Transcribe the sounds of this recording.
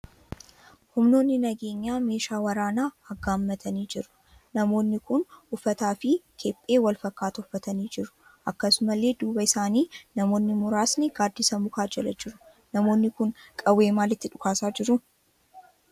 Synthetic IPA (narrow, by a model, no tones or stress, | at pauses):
hʊmno̞ːnːɪnɐɡe̞ːɲːaːme̞ːʃaːwɐɾaːnaːɐɡaːmːɐt̪ʰɐniːd͡ʒɪɾʊ̥ | nɐmo̞ːnːɪkʊnʊfːɐt̪aːfɪkʰeːpʼːe̞ːwɐlfɐkːaːt̪ɐʊfːɐt̪ɐniːd͡ʒɪɾʊ̥ | ʔɐkːɐsʊmɐlːe̞ːd̪uːbɐɪsaːniːnɐmo̞ːnːɪmʊɾaːsnɪɡaːd̪isɐmʊkaːd͡ʒɛlɐd͡ʒɪɾʊ | nɐmo̞ːnːɪkʊnkʼɐweːmaːlɪt̪ːɪᶑʊkaːsaːd͡ʒɪɾʊ